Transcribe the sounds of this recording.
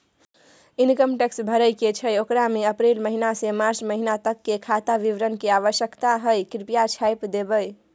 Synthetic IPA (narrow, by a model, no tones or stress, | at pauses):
inkəmʈeksbʱəɾəjket͡ʃʰəjokɾameəpɾelməɦinasemaɾt͡ʃməɦinat̪əkːekʰat̪aʋiʋɾənkeaʋəʃjəkt̪aɦəjkɾipijat͡ʃʰajpd̪ebəj